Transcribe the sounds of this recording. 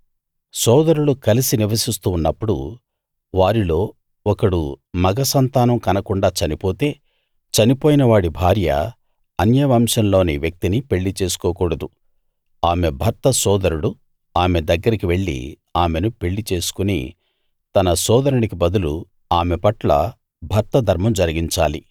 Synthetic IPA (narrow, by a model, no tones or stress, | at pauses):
sɔːd̪ɐɾuɽukɐlisiniʋɐsist̪uːnːɐpːuɽṵ | ʋaːɾilo̞ː | ɔkɐɽṵmɐɡɐsɐnt̪aːnɐmkɐnɐkuɳɖaːt͡ʃɐnipo̞ːt̪e̞ː | t͡ʃɐnipoːjinɐʋaːɽibʱaːɾjɐ̰ | ɐnjɐjʋɐːmʂɐnlo̞ːniʋjɐk̚t̪inipe̞ɭːit͡ʃe̞ːsu̥kɔːkuːɽɐd̪u | aːme̞bʱɐɾt̪ɐsɔːd̪ɐɾuɽu | aːmed̪ɐɡːɐɾikiʋe̞ɭːḭ | aːme̞nupe̞ɭːit͡ʃe̞ːsu̥kunḭ | t̪ɐnɐsɔːd̪ɐɾunikibɐd̪ulu | aːmepɐʈlɐ̰ | bʱɐɾt̪ɐd̪ʱɐɾmɐmd͡ʒɐɾiɡiɲt͡ʃaːlḭ